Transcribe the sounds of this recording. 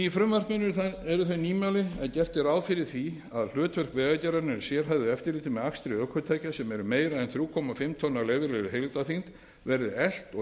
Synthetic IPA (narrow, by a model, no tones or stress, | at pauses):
ifɾʏmvar̥kmɪnːʏθɛɾʏθœɥniːmawlɪɛðcɛr̥t̪ɪɾaːwfɪɾɪɾ̥θi | aðl̥œːt̪vœr̥kvɛːɣacɛɾaɾnʏsjɛɾ̥ɦavðɪɛft̪ɪɾliːt̪ɪmɛðakst̪ɾɪœkʰœt̪ʰaːjcasɛmɛɾʏmeːjɾaɛnθɾjuːkʰɔmafɪmt̪ʰɔnːalɛːvɪɾlɛðʏɦejlt̪aθfint̪ | vɛɾðɪɛl̥t̪ɔ